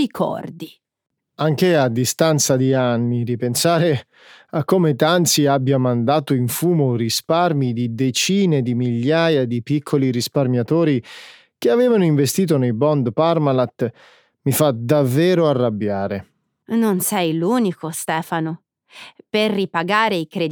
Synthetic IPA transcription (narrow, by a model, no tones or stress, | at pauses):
ikʰɔ̰rd̪i | aŋk̟ead̪ːist̪ant̪sad̪ianːid̪ipensaːɾe | akːoːmet̪ant̪siabːjamand̪aːt̪oiɱfuːmorisparmid̪id̪et͡ʃiːned̪imiʎːaːjad̪ipikʰːoliɾisparmjat̪oːɾi | k̟eavɛːvanoiɱvest̪iːt̪̬onejbɔnd̪parmalat̪ | mifad̪avːɛːɾoarːabːjaːɾe | nonsɛjluːnikost̪ɛːfano | perːipaɡaːɾeikɾed̪